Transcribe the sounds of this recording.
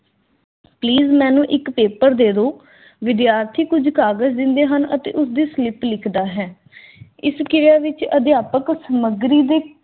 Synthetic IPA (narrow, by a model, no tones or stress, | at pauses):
pliːzmɛ̃ːnũːʔɪkpeːpəɾd̪eːd̪oː | ʋɪd̪jaːɾt̪ʰiːkʊd͡ʒkaːɡəzd̪ɪ̃nd̪eːɦənə̰t̪ḛːʔʊs̬d̪iːslɪplɪkʰd̪aːɦɛː | ɪskɪɾjaːʋɪt͡ʃəd̪ɪjaːpəksəməɡɾiːd̪eː